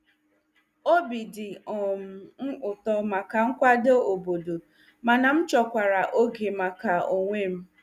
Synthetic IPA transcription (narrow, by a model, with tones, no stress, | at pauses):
o˦bi˨dɪ˨ɔ˨m̩˨m̩˦ʊ˨tɔ˨ma˨ka˨ŋ̩˦kʷa˦do˦o˨bo˨do˨ | ma˨na˨m̩˦t͡ʃɔ˨kʷa˨ɾa˨ʔo˦ɡe˨ma˨ka˨o˨ŋʷe˦m̩˦